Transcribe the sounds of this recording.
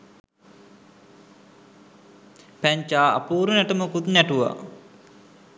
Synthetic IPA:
pæɲt͡ʃaːa̰puːɾunæʈəməkut̪næʈuʋa̰

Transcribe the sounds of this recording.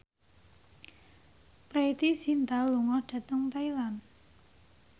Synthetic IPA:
pɾait̪isint̪aluŋɔhɖ̥a̤t̪əŋt̪ailan

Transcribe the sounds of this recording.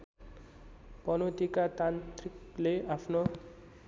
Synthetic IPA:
pʌnot̪ikat̪ant̪rikleʔapʰno

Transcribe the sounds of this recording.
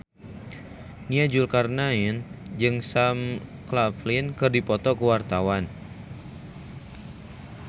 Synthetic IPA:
niad͡ʒʊlkarnaind͡ʒɨŋsamklaflɪnkɨrdipɔt̪ɔkəwart̪awan

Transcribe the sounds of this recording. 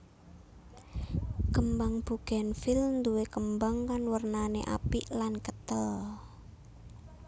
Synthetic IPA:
kəmbaŋb̥uɡ̥ɛnfɪlnd̪uwekəmbaŋkanwərnanḛʔa̰piʔlankət̪əl

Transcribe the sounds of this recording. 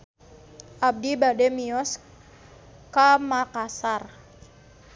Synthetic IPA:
ʔab̚dibadɛmiɔs | kamakasar

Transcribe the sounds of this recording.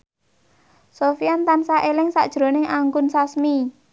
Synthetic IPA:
sofiant̪ansaʔelɪŋsa̰ʔd̥ʒ̥ɾo̤nɪŋaŋɡʊnsasmi

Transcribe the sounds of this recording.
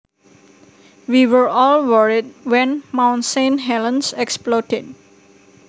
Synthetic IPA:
wiwəɹɔlwəɹid̚wɛ̃nmãw̃nsẽnɦɛlə̃nsɛksplɔtɪd̚

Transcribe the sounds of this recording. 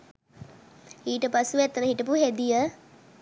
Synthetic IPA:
iːʈəpasuʋæt̪ːənəɦiʈəpuɦed̪ijə

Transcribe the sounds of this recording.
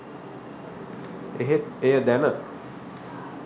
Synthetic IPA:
eɦet̪ejəd̪ænə

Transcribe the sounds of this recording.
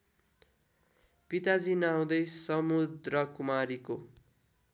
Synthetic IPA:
pit̪ad͡zinaw̃d̪ʌjsʌmud̪rʌkumaɾiko

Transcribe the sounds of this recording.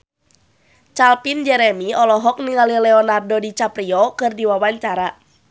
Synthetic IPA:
t͡ʃalpind͡ʒɛɾɛmiɔlɔɦɔk̚niŋalilɛɔnardɔdit͡ʃapɾiɔkɨrdiwawaɲt͡ʃaɾa

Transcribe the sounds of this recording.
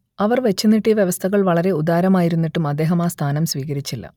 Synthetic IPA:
ɐʋɐrʋe̞t͡ɕːunːiʈːiʋjeʋɐst̪ʰɐɣɐɭʋɐɭɐɾe̞ud̪aːɾɐmaːjiɾunːiʈːumɐd̪ːeːɦɐmaːst̪ʰaːnɐmsʋiːɣɐɾit͡ɕːilːɐ̰

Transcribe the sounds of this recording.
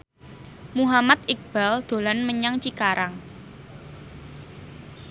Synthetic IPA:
muɦamat̪̚ɪk̚b̥ald̪̥o̤lanməɲaŋt͡ʃikaɾaŋ

